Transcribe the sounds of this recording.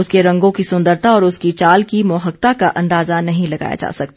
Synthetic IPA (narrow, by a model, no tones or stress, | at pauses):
ʊskeɾɐ̃ŋɡõkisʊ̃nd̪əɾt̪aɔːɾʊskit͡ʃaːlkimɔːɦək̚t̪akaʔɐ̃nd̪aːzanɐɦĩlɐɡa̰ːja̰d͡ʒa̰ːsɐk̚t̪a